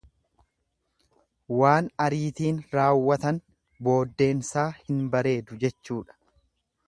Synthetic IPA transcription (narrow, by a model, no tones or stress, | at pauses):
waːnɐɾiːt̪iːnɾaːwːɐt̪ɐn | bo̞ːd̪ːe̞ːnsaːhɪnbɐɾe̞ːd̪ʊd͡ʒɛt͡ʃːuːᶑɐ̥